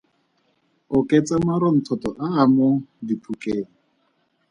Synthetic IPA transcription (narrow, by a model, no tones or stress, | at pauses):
ʊkʼet͡sʼamaɾɔn̩tʰɔtɔʔaːmʊdipʰukʼeːl̩